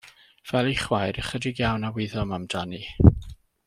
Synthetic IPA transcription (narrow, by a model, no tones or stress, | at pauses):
v̥ɛlˠiχwajɾəχədɪɡjawnawɪðɔmamdani